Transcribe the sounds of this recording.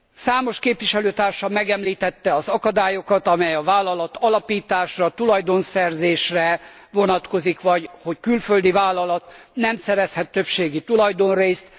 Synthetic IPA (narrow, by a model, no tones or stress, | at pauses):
saːmo̞ʃkeːpʋiʃɛløːt̪aːrʃɒmɛɡɛmliːt̪ɛt̪ːɛɒzɒkɒd̪aːjokɒt̪ɒmɛjɒvaːlːɒlɒt̪ɒlɒpiːt̪aːʃrɒt̪ulɒjd̪o̞nsɛrzeːʃrɛ | vo̞nɒt̪ko̞zikʋɒɟho̞ckylføld̪ivaːlːɒlɒt̪nɛmsɛɾɛshɛt̪ːøpʃeːɡit̪ulɒjd̪o̞nreːst̪